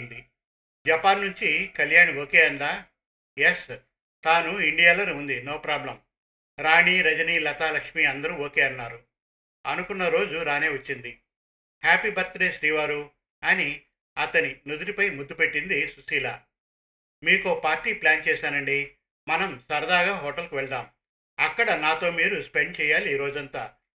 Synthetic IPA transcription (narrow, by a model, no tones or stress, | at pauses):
nd̪i | d͡ʒɐpaːnːuɲt͡ʃikɐljaːɳoːkeːɐnd̪aː | jes | t̪aːnuiɳɖijaːlɐnuːnd̪inɔːpɾaːblɐm | ɾaːɳiːɾɐd͡ʒɐniːlɐt̪aːlɐkʂmiːɐnd̪ɐɾuoːkeːɐnːaːɾu | ɐnukunːɐɾo̞ːd͡ʒuɾaːneːʋɐt͡ʃːind̪i | haːpibɐɾt̪ɾeːʃɾiːʋaːɾu | ɐni | ɐt̪ɐninud̪uɾipɐjmud̪ːupe̞ʈːind̪isusiːla̰ː | miːkuoːpaːɾʈːiːplaːnt͡ʃɛːsaːnɐɳɖi | mɐnɐmsɐɾɐd̪aːɡaːɦɔːʈɐlkuʋɛɭd̪aːm | ɐkːɐɽɐnaːt̪o̞ːmiːɾuspe̞ɳɖ̚t͡ʃɛːjaːliːɾo̞ːd͡ʒɐnt̪a̰ː